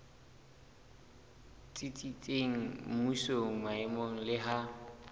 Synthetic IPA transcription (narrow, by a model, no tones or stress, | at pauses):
t͡sʼit͡sʼit͡sʼeŋ̩musoŋ̩maɪmoŋ̩lɪɦa